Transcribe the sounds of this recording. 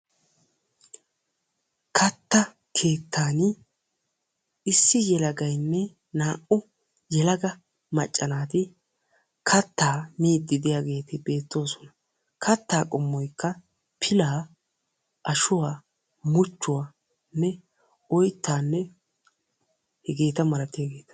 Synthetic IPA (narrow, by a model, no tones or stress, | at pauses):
kʰɐt̪ːɐ | kʰe̞ːt̪ːaːn | ɪsːɪjɛlɐɡɐjnːɛ | naːʔʊ | jɛlɐɡɐ | mɐt͡ʃʼːɐnaːt̪ɪ | kʰɐt̪ːaːmiːd̪ːɪd̪ɪjaɡe̞ːt̪ɪbe̞ːt̪ːo̞ːsɔ̥nɐ̥ | kʰɐt̪ːaːkʼʊmːɔjkːɐ | pʰɪlaː | ʔɐʃʊwaː | mʊt͡ʃːʊwaː | nːɛ | ɔjt̪ːaːnːɛ | hɛɡe̞ːt̪ɐmɐlɐt̪ːɪjaɡe̞ːt̪ɐ̥